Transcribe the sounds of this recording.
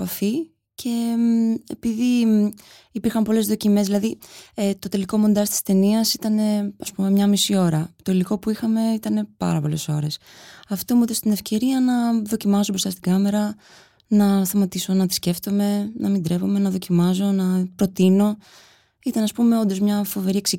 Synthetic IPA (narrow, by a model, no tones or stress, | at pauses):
pɐfi | cʰe̞ | epiði | ipiɾxɐmpo̞le̞zðo̞cime̞zðilɐðiet̪o̞t̪e̞liko̞mo̞nd̪ɐst̪i̥st̪e̞niɐsit̪ɐne̞ɐspume̞mɲɐmisio̞ɾɐt̪o̞iliko̞puixɐme̞it̪ɐne̞pɐ̰ɾɐpo̞le̞̰so̞ɾe̞sɐft̪omut̪ost̪ine̞fce̞ɾiɐnɐðo̞cimɐsobɾo̞st̪ɐst̪iɡɐme̞ɾɐ | nɐst̪ɐmɐt̪iso̞nɐt̪i̥sce̞ft̪o̞me̞nɐmind̪ɾe̞po̞me̞nɐðo̞cimɐzo̞nɐpɾo̞t̪ino̞ | it̪ɐnɐspume̞o̞nd̪o̞zmɲɐfo̞ve̞ɾieksi